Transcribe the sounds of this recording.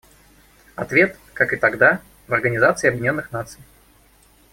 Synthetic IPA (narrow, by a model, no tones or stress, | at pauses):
ɐt̪vʲe̞t̪ | kakɨt̪ɐɡd̪a | vɐrɡənʲɪzat̪sɨɪɐbʲɪnʲo̞nːɨxnat̪sɨj